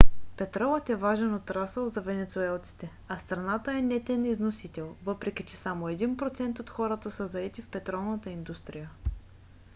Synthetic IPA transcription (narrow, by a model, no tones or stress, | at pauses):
pɛt̪ɾɔvət̪ɛvaʒɛnot̪ɾasəlˠzɐvɛnɛt̪suɛlˠt̪si̥t̪ɛ | ɐst̪ɾɐnat̪əɛnɛt̪ɛniznosit̪ɛlˠvɤpɾɛk̟ʲit͡ʃɛsamoɛd̪inpɾot̪sɛnt̪ot̪xɔɾət̪əsəzɐɛt̪ifpɛt̪ɾɔlˠnət̪əind̪ust̪ɾijə